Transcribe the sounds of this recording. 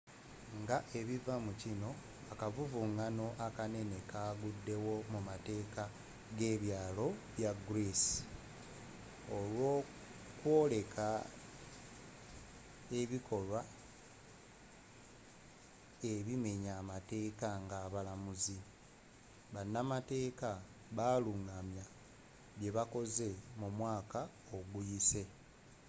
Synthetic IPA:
ŋɡaʔe̞βivamucino̞ | akavuvuŋano̞ʔakane̞ne̞kaːɡudːe̞wo̞mumate̞ːka | ɡe̞ːβjaːlo̞βjaɡɾesi̥ | olwo̞ːkwo̞ːle̞kʰa | e̞βikʰo̞lwa | eβime̞ɲaːmate̞ːkaŋɡaːβalamuzi | βanːamate̞ːka | βaːluŋɡamja | βje̞βako̞ze̞mumwaːka | oɡujise̞

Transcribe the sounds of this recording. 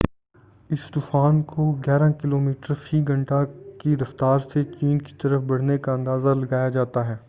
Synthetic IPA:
ɪst̪ʊːfaːnkoɡɛːɾakɪloːmiːʈəɾfʰiːɡɐ̃ɳʈakiɾɐft̪aːɾset͡ʃiːnki̥t̪ɐɾəfbɐɽ̤nekaɐ̃nd̪aːzalɐɡaːjad͡ʒaːt̪aɦɛː

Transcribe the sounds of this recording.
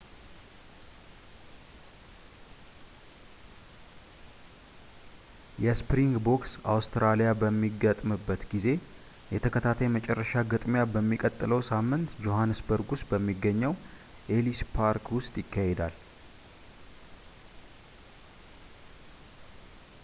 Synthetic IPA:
jɛspɾiŋɡbo̞ksa̰wst̪ʰɾalijabəmːiɡət̪ʼmɨbːət̪ɡize̞ | jɛt̪ʰəkʰət̪ʰat̪ʰajmət͡ʃʼɛrːəʃaɡɨt̪ʼmjabəmːikʼət̪ʼːɨləwsamːɨnt̪d͡ʒo̞hanːɨsbəɾɡusbəmːiɡːəɲːəw | ʔe̞lispʰaɾkwʊst̪ʼjɪkːahed̪al

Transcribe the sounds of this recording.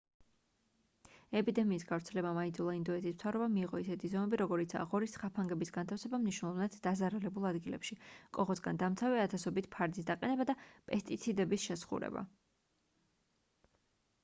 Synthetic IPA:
ɛpʼid̪ɛmiːsɡavɾt̪sʰɛlɛbamaind̪zulˠaind̪ɔɛt̪ʰism̥t̪ʰavɾɛbamiːʁɔisɛt̪ʰizɔmɛbiɾɔɡɔɾit̪sʰa̰ʁɔɾisχapʰaŋɡɛbisɡant̪ʰafsɛbamniʃwnɛlˠɔvnat̪d̪̥azaɾalɛbulˠad̪ɡilɛ̰pʃikʼɔʁɔsɡand̪amt̪sʰavɛat̪ʰasɔbit̪ʰpʰaɾd̪is̬d̪aqʼɛnɛbad̪apʼɛst̪ʼit̪sʰid̪ɛbisʃɛsχṵɾɛ̰ba̰

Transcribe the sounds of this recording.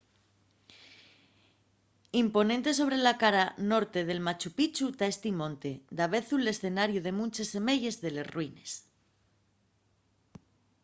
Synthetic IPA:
impo̞nent̪e̞s̬o̞β̞ɾe̞lakaɾano̞ɾt̪e̞ð̞e̞lmat͡ʃupit͡ʃut̪aest̪imõ̞nt̪e̞d̪aβ̞e̞θule̞sθe̞naɾjuð̞e̞mũnt͡ʃe̞se̞me̞ʝe̞zðe̞le̞zrwine̞s

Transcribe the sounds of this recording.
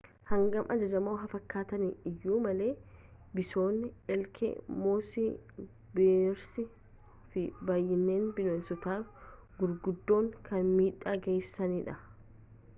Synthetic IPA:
hɐŋɡɐmʔɐd͡ʒɐd͡ʒɐmoːɦɐfɐkːaːt̪ɐniɪjːuːmɐle̞ː | bɪso̞ːnːɪɛlkʰɛ̰moːsɪ | beːɾsɪ | fɪbaːjːɪnːe̞ːnbɪloːnsʊt̪aːf | ɡʊɾɡʊd̪ːo̞ːŋkʰɐnmiːᶑaːɡejsːɐniːᶑɐ

